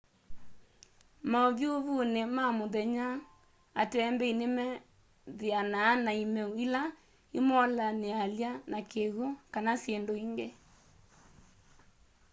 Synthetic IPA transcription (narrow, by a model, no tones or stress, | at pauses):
maoβjoβunemamoðɛɲa | atɛmbɛinemɛ | ðianaːnaimɛuila | imɔlanealjanakeɣukanasjendoiŋɡe